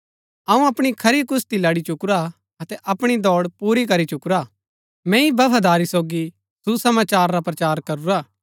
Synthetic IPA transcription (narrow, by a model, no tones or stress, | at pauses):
ɐũɐpɽ̃ikʰɐɾikʊst̪ilɐɽit͡ʃʊkɾa | ɐt̪ɛʔɐpɽ̃id̪ɔːɽpuːɾik̬ɐɾit͡ʃʊkɾa | mɛ̃ibɐʋʱad̪aːɾisoːɡi | susɐmaːt͡ʃaːɾːapɾɐt͡ʃaːɾkɐɾuɾaː